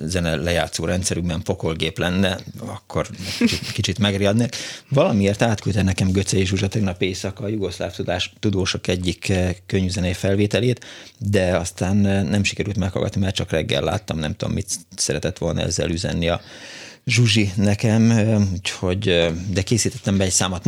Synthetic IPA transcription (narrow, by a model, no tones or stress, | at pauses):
zɛnɛlɛjaːt̪soːɾɛnt̪sɛɾyɡbɛɱfo̞kolɡeːplɛnːɛɒkʰːo̞rkt͡ʃikit͡ʃit̪mɛɡriɒd̪nekvɒlɒmieːrt̪aːt̪kylt̪ɛnɛkɛmɡøt̪sɛjiʒuʒɒt̪ɛɡnɒpeːsɒkɒːjuɡo̞ʃla̰ːft̪ud̪aːʃt̪ud̪oːʃokɛɟːikːøɲvzɛnɛifɛlveːt̪ɛleːt̪d̪ɛɒst̪aːnnɛmʃikɛɾylt̪mɛkhɒ̰lɡɒ̰t̪nimɛrt͡ʃɒkrɛɡːɛ̰lːa̰ːt̪ːɒmnɛmt̪ud̪omːit̪sɛɾɛt̪ɛt̪ʋo̞lnɒ̰ɛ̰zːɛ̰lyzɛ̰nːiɒ | ʒuʒinɛkɛmuːcho̞ɟd̪ɛkeːsiːt̪ɛt̪ːɛmbɛɛcsaːmɒt̪